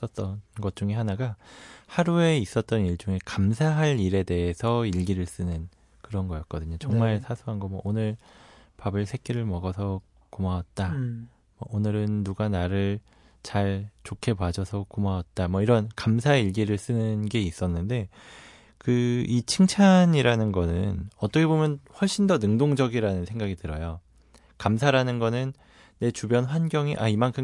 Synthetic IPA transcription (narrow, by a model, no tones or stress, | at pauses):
ʌt͈̚ʌnɡʌt̚t͡ɕuŋeɦanaɡahaɾue̞is͈ʌt̚t͈ʌniɭt͡ɕuŋe̞kamsʰaɦaɭiɾe̞de̞esʰʌiɭɡiɾɯɭs͈ɯnɯn | kɯɾʌnɡʌjʌt̚k͈ʌdɯɲot͡ɕʌŋmaɭsʰasʰuɦanɡʌmwʌ̰ʔonɯɭ | pabɯɭsʰe̞k͈iɾɯɭmʌɡʌsʰʌ | komawat̚t͈a | mʌʔonɯɾɯnːuɡanaɾɯɭ | t͡ɕaɭt͡ɕokʰe̞pwad͡ʑʌsʰʌkumawat̚t͈amwʌiɾʌnkamsʰaiɭɡiɾɯɭs͈ɯnɯnɡe̞is͈ʌnːɯnde̞ | kɯit͡ɕʰɯŋt͡ɕʰaɲiɾanɯnɡʌnɯnʌt͈ʌkʰebomjʌnɸwʌɭɕ͈indʌnɯŋdoŋd͡ʑʌɡiɾanɯnsʰe̞ŋɡaɡitɯɾʌjo | kamsʰaɾanɯnɡʌnɯnː | e̞t͡ɕubjʌnɸwanɡjʌŋḭʔaimankʰɯm